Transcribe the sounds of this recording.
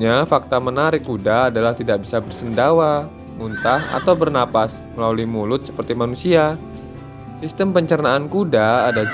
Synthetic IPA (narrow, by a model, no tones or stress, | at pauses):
ɲafak̚t̪amənaɾɪkːudaːdalaht̪idak̚bisabərsəndawa | munt̪aha̰t̪awbərnapas | məlaluimulʊt̪̚sə̥pərt̪imanusia | sist̪əmpəɲt͡ʃərnaːnkudaːda